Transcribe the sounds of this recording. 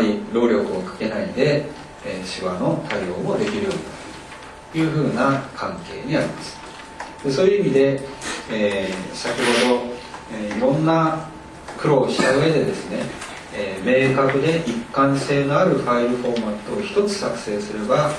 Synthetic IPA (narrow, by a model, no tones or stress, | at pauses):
ɾʲiɾo̞ːɾʲo̞kɯ̟okḁke̞naid̪e̞ː | ɕiβano̞t̪ʰajo̞̰ːmo̞d̪e̞kʲiɾɯ̟jo̞ːnd̪at̪o | jɯ̟ːɸɯ̟ːnakʰãŋke̞ːɲ̟iaɾʲimasɨ̥ | d̪̥e̞so̞ːjɯimʲid̪e̞ː | sakʲiɦo̞d̪o̞eiɾõ̞nːa | kɯ̟ɾo̞ːɕi̥t̪aɯ̟e̞d̪e̞d̪e̞sɨne̞ː | me̞ːkakɯ̟d̪e̞ʔikːãɰ̃se̞ːno̞aɾɯ̟ɸaiɾɯ̟ɸo̞ɾmat̪ːoːçi̥t̪o̞t͡sɨ̥sakɯ̟̥se̞ːsɨɾe̞ba